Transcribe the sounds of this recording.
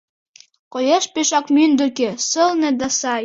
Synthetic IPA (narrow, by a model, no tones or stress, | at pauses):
kojeʃpeʃɑkmynd̪ɘ̆kĕsɤ̆lnĕd̪ɑsɑj